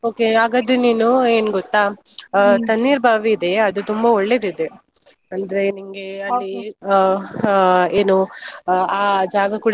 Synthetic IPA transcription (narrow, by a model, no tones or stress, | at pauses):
oːkeaːɡɐd̪eniːnue̞ːnɡɔt̪ːaː | t̪ɐnːiːɾbʱaːʋiːd̪e̞ɐd̪ut̪umbɐoɭːed̪id̪e̞ | ɐnd̪ɐɾe̞niŋɡeɐlːi | eːnu | aːd͡ʒaːɡɐkuːɽ